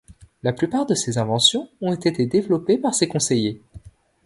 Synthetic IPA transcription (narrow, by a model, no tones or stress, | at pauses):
laplypaʁd̪əsezɛ̃vɑ̃sjɔ̃ɔ̃et̪et̪ed̪evlɔpepaʁsekɔ̃seje